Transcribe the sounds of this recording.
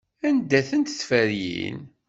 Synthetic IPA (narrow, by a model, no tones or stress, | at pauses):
ænd̪æθənt̪θfəɾjḭn